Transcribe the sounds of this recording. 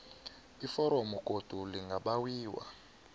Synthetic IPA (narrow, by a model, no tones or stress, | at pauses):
ifɔɾɔmɔkʼod̥ʱuliŋɡʱaɓawiːwa̰